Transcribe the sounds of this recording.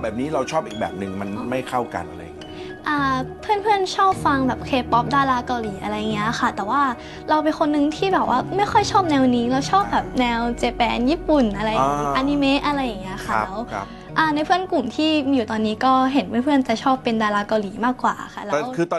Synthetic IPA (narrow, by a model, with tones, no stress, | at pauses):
bɛː˨˩p̚niː˦˥ɾa˧wt͡ɕʰɔː˥˩p̚iː˨˩k̚bɛ̰ː˨˩p̚nɯ˨˩ŋma˧n˧ma˥˩jkʰa˥˩wka̰˧nʔa˧ɾa̰˧j | ʔaː˧˩pʰɯ˥˩ənpʰɯ˥˩ənt͡ɕʰɔː˥˩p̚fa˧ŋbɛː˨˩p̚kʰeː˧pːɔ˦˥p̚daː˧laː˧˦ka˧wliː˩˦ʔa̰˧ɾa˧jːa˨˩ŋːi˦˥xʰa˥˩t̪ɛː˨˩waː˥˩ | ɾa˧wpe˧nkʰo˧nːɯ˧ŋt̪ʰiː˥˩bɛː˨˩p̚wʔaː˥˩ma˥˩jxʰɔ˥˩jt͡ɕʰɔː˥˩p̚nɛː˧wniː˧˦˥ɾa˧wt͡ɕʰɔː˥˩p̚bɛː˨˩p̚nɛː˧wt͡ɕeː˧pɛː˧njiː˥˩pu˨˩nʔa˧ɾa˧jʔa˧ni˧meː˦˥ʔa˧ɾa˧jːa˨˩ŋːi˦˥ɐ˧xʰa˥˩lɛː˦˥w | ʔaː˧˩na˧jpʰɯ˥˩ənku˨˩mt̪ʰiː˥˩juː˨˩t̪ɔː˧nːiː˦˥kɔː˥˩ɦe˩˦npʰɯ˥əpʰɯ˥˩ənt͡ɕa˨˩t͡ɕʰɔː˥˩pːe˧ndaː˧laː˨˦˥ka˧wliː˩˦maː˥˩kːwa̰ː˨˩xʰa̰˥˩lɛ˧˥wkʰɯː˧